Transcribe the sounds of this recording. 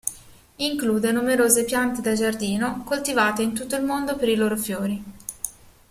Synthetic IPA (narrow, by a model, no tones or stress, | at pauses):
iŋkluːd̪enumeɾoːzepjant̪ed̪ad͡ʒard̪iːnokolt̪ivaːt̪eint̪ut̪ːoilmond̪opeɾiloːɾofjoːɾi